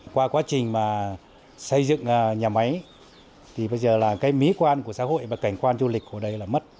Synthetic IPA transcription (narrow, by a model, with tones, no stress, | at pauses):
kwaː˧kwaː˨˦t͡ɕï˨˩ŋ̟maː˨˩ | sə˧jzɨ̰˧˨ŋː˨˩ɲaː˨˩ma˨˦j | t̪ʰi˨˩ɓə˧jzəː˨˩laː˨˩kaː˨˦jmi˨˦kwaː˧nku˧˩əsa̰ː˧˥ho̰˧˨jvaː˨˩ka˧˩jŋ̟kwaː˧nzu˧li˨˩k̟̚ku˧˩ɗə˧jlaː˨˩mə˦˥t̚